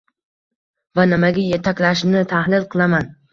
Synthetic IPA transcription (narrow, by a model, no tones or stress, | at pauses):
vanɪmaɡʲajet̪ʰakʲlaʃnɪt̪ʰahlɪlˠqʰɨlˠaman